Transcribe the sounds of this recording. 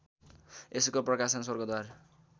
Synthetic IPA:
eskoprʌkasʌns̬wʌrɡʌd̪war

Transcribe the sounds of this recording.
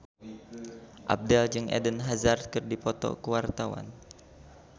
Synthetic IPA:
ʔa̰b̚dald͡ʒɨŋʔɛ̰dənɦazard̪̚kɨrdipɔt̪ɔ̰kəwart̪awa̰n

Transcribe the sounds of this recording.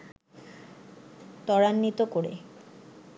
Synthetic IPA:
t̪ɔɽanːit̪okoɽḛ

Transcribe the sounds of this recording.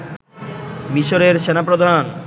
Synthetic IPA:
miʃoɾeɾʃenapɾod̪ʱan

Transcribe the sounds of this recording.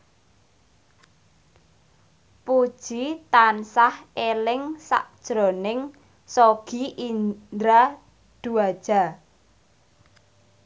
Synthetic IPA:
pud̥ʒ̥it̪ansahelɪŋsa̰ʔd̥ʒ̥ɾonɪŋ | soɡ̥iʔid̪ɾa | d̪̥ṳad̥ʒ̥a̤

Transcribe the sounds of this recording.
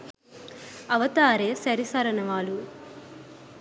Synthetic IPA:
ɐʋɐt̪aːɾeːsɐɾisɐɾɐnɐʋaːlu

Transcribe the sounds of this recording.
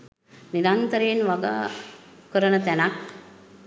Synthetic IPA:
niɾant̪əɾeːnʋaɡa̰ːkəɾənət̪ænak̚

